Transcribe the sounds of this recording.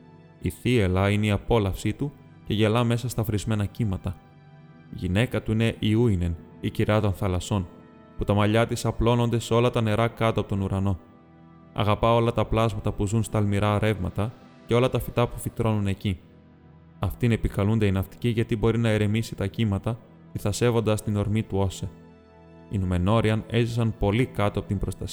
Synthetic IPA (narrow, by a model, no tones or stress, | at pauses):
iθie̞lɐine̞iɐpo̞lɐfsit̪u | ce̞ʝe̞lɐme̞sɐst̪ɐfɾizme̞nɐcimɐt̪ɐ | ʝine̞kɐt̪uine̞ʔiuine̞niciɾɐt̪o̞nθɐlɐso̞n | put̪ɐmɐʎɐt̪isɐplo̞no̞nd̪e̞seo̞lɐt̪ɐne̞ɾɐkɐt̪opot̪o̞nuɾɐno̞ | ɐ̰ɣɐpɐo̞lɐt̪ɐplɐzmɐt̪ɐpuzunst̪ɐlmiɾɐoɾe̞vmɐ̰t̪ɐ | ceo̞lɐt̪ɐfit̪ɐpufit̪ɾo̞nune̞ci | ɐft̪ine̞pikɐlund̪e̞inɐft̪i̥ciʝɐt̪ibo̞ɾinɐeɾe̞misit̪ɐcimɐt̪ɐ | tiθɐse̞vo̞nd̪ɐst̪ino̞ɾmit̪uo̞se | inume̞no̞ɾiɐne̞zisɐnpo̞likɐt̪oɐpot̪imbɾo̞st̪ɐs